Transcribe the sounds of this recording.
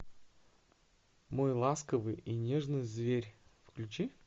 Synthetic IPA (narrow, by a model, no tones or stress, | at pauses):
mojlˠaskəvɨjinʲe̞ʐnɨjzvʲeɾʲfklʲʉt͡ɕi